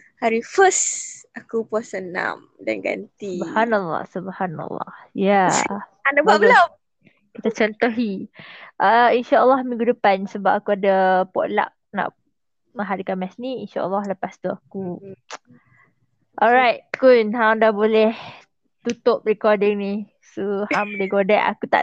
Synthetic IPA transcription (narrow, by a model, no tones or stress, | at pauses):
haɾifəsakupuasəna̰m | da̰nɡa̰nt̪ibhanalːɑ̰hsubhana̰lːɑ̰hjaanababəla | kit̪at͡ʃɔnt̪ɔɦiʔəinʃaʔəlːɑhmĩŋɡudəpansəbap̚akuadapɔ̰ʔla̰ʔ̚na̰ʔ | mə̃ŋɦaɾikanmɛsniinʃa̰ʔə̰lːɑhləpast̪uaku | ʔɔlɹajt̚kʊnɦãdahbolɛh | t̪ut̪ʊp̚ɹikɔdɪŋni | sohamleɡodɛʔa̰kut̪a̰ʔ